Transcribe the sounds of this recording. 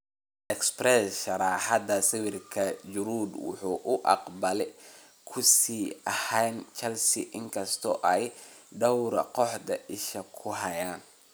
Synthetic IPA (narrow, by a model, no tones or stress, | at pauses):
ʔɛksprɛsʃɐɾɑːħɑd̪ɐsɪwɪrkʰɐd͡ʒʊɾuːd̪wʊ̰ħuːʔʊʔɑ̰qbɐlɛ | kʰʊsiːɐhɛːnt͡ʃɐlsɪ̰ʔɪŋkʰɐst̪ʰɔʔɛjɖɐwɾ̰qɔħd̪ɐʔɪʃɐkʰʊɦɐjaːn